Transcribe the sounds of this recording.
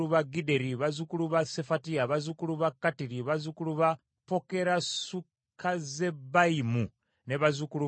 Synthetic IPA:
uβaɡide̞ɾiβazukuluβase̞fatiaβazukuluβakːatiɾiβazukuluβa | po̞ke̞ɾasu | kʰaze̞baimu | neβazukulu

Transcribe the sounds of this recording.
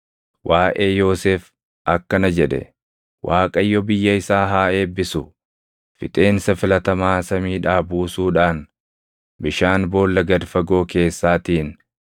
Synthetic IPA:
wʔaːʔe̞ːjo̞ːseːf | ʔɐkːɐnɐd͡ʒɛᶑɛ̰ | wʔaːkʼɐjːɔbɪjːɐɪsaːɦaːe̞ːbːɪsʊ | fɪt̪ʼe̞ːnsɐfɪlɐt̪ɐmaːsɐmiːᶑaːbuːsuːᶑaːn | bɪʃaːnbo̞ːlːɐɡɐd̪fɐɡo̞ːke̞ːsːaːt̪iːn

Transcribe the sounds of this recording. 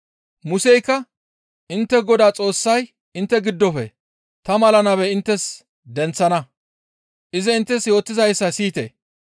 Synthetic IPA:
mʊsɛjkːɐ | ʔɪnt̪ːɛɡɔd̪aːt͡sʼo̞ːsːɐj | ɪnt̪ːɛɡɪd̪ːɔfɛ̰ | t̪ɐmɐlɐnɐβɛɪnt̪ːɛs | d̪ɛnt͡sːɐnɐ | ʔɪzɛɪnt̪ːɛsjo̞ːt̪ːɪzɐjsːɐsiːt̪ḛː

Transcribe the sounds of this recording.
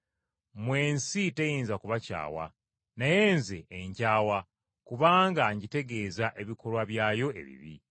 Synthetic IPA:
mwe̞ːnsitejiːnzakuβaca̰ːwa̰ | naje̞ːnze̞ːɲcaːwa | kuβaːŋɡaɲɟite̞ɡe̞ːzaʔe̞βikʰo̞lwaβjaːjo̞e̞̰βḭβḭ

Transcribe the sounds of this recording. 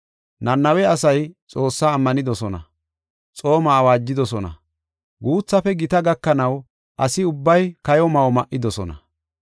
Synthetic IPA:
nɐnːɐwɛɐsɐjt͡sʼo̞ːsːaːmːɐnɪd̪ɔsɔnɐ̰ | t͡sʼo̞ːmaːwaːd͡ʒːɪd̪ɔsɔnɐ̰ | ɡuːt͡sːɐfɛɡɪt̪ɐɡɐkːɐnɐw | ʔɐsɪʊbːɐjkɐjɔmɐwmɐʔːɪd̪ɔsɔ̰nɐ̰

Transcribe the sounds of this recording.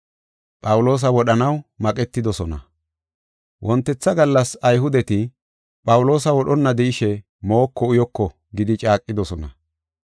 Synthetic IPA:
pʼɐwʊlo̞ːs̬ɐwɔɗɐnɐwmɐkʼɛt̪ːɪd̪ɔsɔnɐ̰ | wʔɔnt̪ːɛt͡sːɐɡɐlːɐsɐjɦʊd̪ɛt̪ɪ | pʼɐwʊlo̞ːsɐwɔɗɔnːɐd̪ɛɪʃɛ | mo̞ːkːɔʊjɔkːɔ | ɡɪd̪ɪt͡ʃʼaːkʼːɪd̪ɔsɔnɐ̰

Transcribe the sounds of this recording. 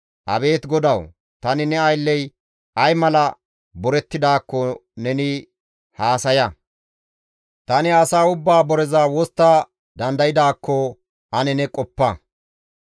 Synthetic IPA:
ʔɐ̰be̞ːt̪ɡɔd̪ɐw | t̪ɐnɪnɛɐjlːɛj | ʔɐjmɐlɐ | bɔɾɛt̪ːɪd̪aːkːɔnɛnɪ | haːsɐjɐ | t̪ɐnɪɐsaːʊbːaːbɔɾɛzaːwɔst̪ːa | d̪ɐnd̪ɐjɪd̪aːkːɔ | ʔɐnɛnɛkʼɔpːɐ

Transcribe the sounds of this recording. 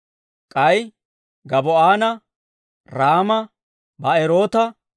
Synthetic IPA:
kʼɐj | ɡɐbɔaːnɐ | ɾaːmɐ | bɐɛɾoːt̪ɐ

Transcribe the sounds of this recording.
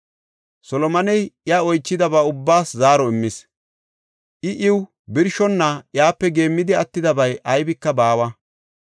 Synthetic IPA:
sɔlɔmɐnɛjɪjaːɔjt͡ʃːɪd̪ɐbaːʊbːaːszaːɾɔɪmːɪs | ʔɪʔɪw | bɪɾʃɔnːɐjaːpːɛɡe̞ːmːɪd̪ɪɐt̪ːɪd̪ɐbɐjʔɐjbɪkːɐbaːwɐ

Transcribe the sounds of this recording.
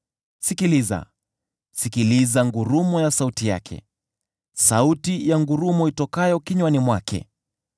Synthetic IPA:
sikiliza̰ | sikilizaŋɡuɾumɔjasautija̰kʰɛ̰ | sautijaŋɡuɾumɔitɔkajɔkiɲwanimwa̰kʰɛ̰

